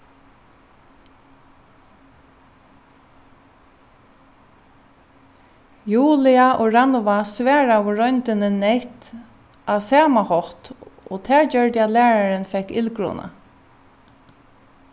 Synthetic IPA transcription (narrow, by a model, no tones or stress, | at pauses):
juːlɪaʔɔːɹanʋasʋæːɹawʊɹɔjnt̪ɪnɪnːɛjht̪ | asaːmahɔht̪ɔ̰ːt̪ʰæːɹd͡ʒœɹt̪jalæːɹaɹɪnfɛkːɪlkɹṵːnʔa̰